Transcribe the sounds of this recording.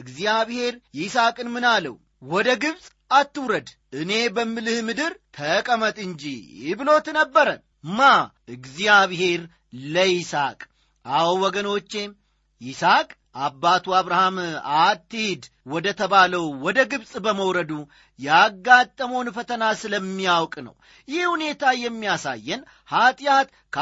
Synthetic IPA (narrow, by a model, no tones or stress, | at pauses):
ɨɡzijaβhe̞ɾjɪsakʼɨnmɨnalə̰w | wɔd̪əɡɨβsʼ | at̪ːɨwɾəd̪ | ɨne̞bəmːɨlɨhmɨd̪ɨɾt̪ʰəkʼəmət̪ʼɨnd͡ʒḭɪβɨlo̞t̪nəbːəɾən | maʔɨɡzijaβhe̞ɾ | ləisa̰kʼ | awwɔɡəno̞t͡ʃːe̞ | ʔɪsakʼ | ʔabːat̪ʰuaβɾahamat̪ːɨhd̪wɔd̪ət̪ʰəβaləwwɔd̪əɡɨβsʼbəməwɾəd̪u | jaɡːat̪ʼːəmownfət̪ʰənasɨləmːijawkʼnə̰w | jɪhhune̞t̪ʰajɛmːijasa̰jːɛn | hat̪ʼjat̪ | kʰ